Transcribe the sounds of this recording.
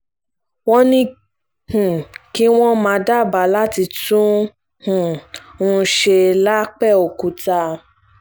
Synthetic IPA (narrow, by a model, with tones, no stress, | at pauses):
wɔ̃˦nĩ˦ | hũ˨ki˦w̃ɔ̃˦mã˨˧˦da˦˨ba˨˦la˦ti˧tũ˦ | hũ˨ũ˦˧ʃe˧la˦k͡pɛ˦˨o˨ku˨˦ta˧